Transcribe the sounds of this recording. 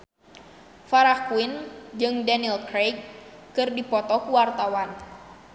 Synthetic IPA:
faɾahkuind͡ʒɨŋdanilkɾejkːɨrdipɔt̪ɔkuwart̪awan

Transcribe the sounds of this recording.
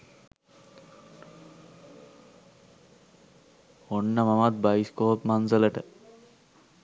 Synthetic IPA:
onːəmamat̪̚bajskoːpmanzələʈə

